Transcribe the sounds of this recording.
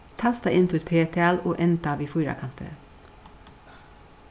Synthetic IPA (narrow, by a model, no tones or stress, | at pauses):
t̪ʰɑst̪ɑʔɪnt̪ʰʊɛt̪pʰeːt̪ʰɛɑloːʔɛnt̪ɑːʋiːfʊːɾɑ̰kʰɑnt̪ʰə̰